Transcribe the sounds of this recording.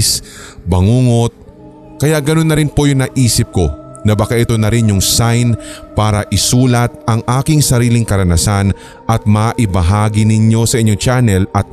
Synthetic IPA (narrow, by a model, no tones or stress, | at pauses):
sbɐŋuːŋo̞t̪̚ | kɐjaʔɡɐno̞nːɐɾɪnpo̞jʊŋnɐʔiːsɪp̚ko̞ | nɐbɐkaʔɪt̪o̞nɐɾɪnjʊŋsajnpaːɾɐʔɪsuːlɐt̪̚ʔɐŋʔaːkɪŋsɐɾiːlɪŋkɐɾɐnɐsan | ʔɐt̪̚mɐʔɪbɐɦaːɡɪnɪɲo̞sɐʔɪɲːoŋt͡ʃanɛlɐt̪̚